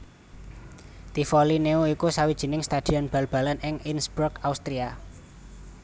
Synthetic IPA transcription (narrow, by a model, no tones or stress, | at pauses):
t̪ifolineuikusawid̥ʒ̥i̤nɪŋst̪ad̪̥i̤ɔnb̥a̤lb̥a̤lanɪŋinsbɾʊkaust̪ɾia